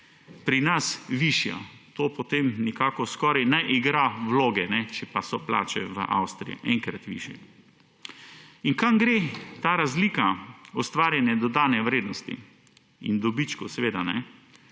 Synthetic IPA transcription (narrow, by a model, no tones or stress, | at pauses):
pɾinasʋiʃja̰t̪oːpot̪emnikaːkɔskɔːɾajnaʔiɡɾaʋloːɡɛnɛt͡ʃɛpasɔpla̰ːt͡ʃɛ̰ʋə̰ʔa̰wst̪ɾḭjḭʔɛŋkɾat̪ʋḭːʃjɛ̰ | iŋkamɡɾet̪aɾazliːkaɔst̪ʋaːɾjanjad̪ɔd̪aːnɛʋɾeːd̪nɔst̪ḭ | ḭnd̪ɔbit͡ʃkɔsɛʋeːd̪anɛ